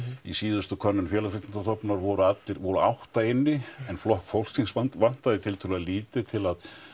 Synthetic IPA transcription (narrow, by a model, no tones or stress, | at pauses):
isiːðʏst̪ʏkʰœnːʏnfjɛːlasfɾɪt̪ɪnt̪aθɔpnaɾvɔɾʏat̪lɪɾvɔɾʏawht̪aɪnːɪɛnflɔhkfowl̥sinsavan̥t̪aðɪt̪ʰɪlt̪ʰʏlɛɣaliːt̪ɪt̪ʰɪlað